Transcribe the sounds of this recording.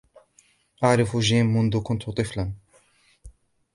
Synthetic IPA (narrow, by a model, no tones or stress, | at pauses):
ʔaʕɾˤɑfuʒiːmːʊnd̪ʊkʊnt̪ʊt̪ˤɨflan